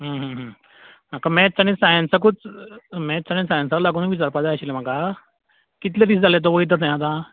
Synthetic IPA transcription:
ɦəɦə̃ɦə̃ | m̤akamɛ̃t͡sañĩsãjãnt͡sakut͡smɛt͡sañĩsãjãnt͡salaɡuːnʋit͡ɕaɾpad͡zajɕilem̤aka | kit̪led̪iːsd͡zalet̪̬ɔʋəit̪əsãjãt̪ã

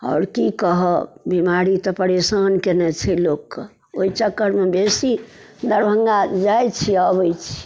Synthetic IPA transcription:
a̰ːɾkikəɦəbimaɾit̪ɔpəɾesankenɛt͡ʃʰɛlokːe | oit͡ʃəkːəɾmebesi | d̪əɾbʱəŋɡad͡ʒajt͡ʃʰiabəjt͡ʃʰi̥

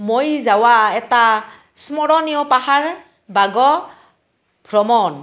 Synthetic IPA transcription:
mojzawaɛta | smɔɹɔnijɔpaɦaɹ | baɡɔ | b̥ʱɹɔmɔn

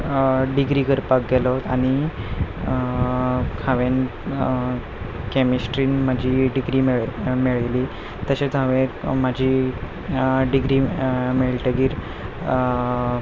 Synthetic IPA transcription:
ɖiɡɾiːkəɾpak̚ɡɛlaɦot̪aɽ̃i | kʰaʋen | kemisʈɾiːnmad͡ʑʱiːɖiɡɾiːmɭmeɭliː | t̪əɕet͡saʋemad͡ʑʱi | ɖiɡɾiːmeɭʈəɡiːɾ

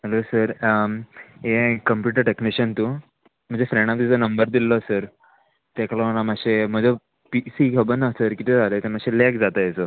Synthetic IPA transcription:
ɦəlosəɾ | ekəmpjuʈəɾʈekniɕənt̪u | m̤əd͡zefɾeɽ̃amt̪et͡sənəmbəɾd̪ilːəsəɾ | t̪akəlaənamaɕem̤əd͡ze | pisikʰəbənəsəɾkit̪ʰed͡zʱalet̪emaɕelekd͡zat̪əjet͡sə

